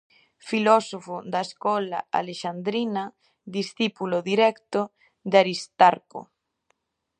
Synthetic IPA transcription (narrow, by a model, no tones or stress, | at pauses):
filɔsofoðaeskɔla̰a̰leʃand̪ɾina | d̪isθipuloðiɾɛkt̪o | d̪aɾist̪aɾko̰